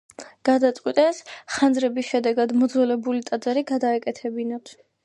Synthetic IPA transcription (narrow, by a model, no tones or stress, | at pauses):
ɡ̥ad̪at̪sʼqʼwit̪ʼɛsχand̪zɾɛbisʃɛd̪ɛɡad̪mɔd̪zɛlɛbulit̪ʼad̪zaɾiɡad̪aɛkʼɛt̪ʰɛbinat̪ʰ